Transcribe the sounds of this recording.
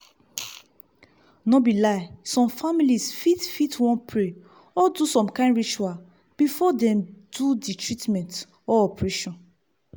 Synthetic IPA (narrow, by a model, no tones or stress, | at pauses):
nobilaɪsɔ̃mfamilisfitfitwɔ̃npɹe | ɔdusɔ̃mkãɪ̃nɹit͡ʃual | b̥ifɔdɛ̃mduditɹitmɛ̃nt | ɔɔpɹɛʃɔ̃n